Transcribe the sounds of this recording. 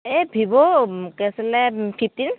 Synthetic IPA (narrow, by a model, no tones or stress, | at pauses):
ebʱibɔkɛsɛlɛpʰip̚ʰtin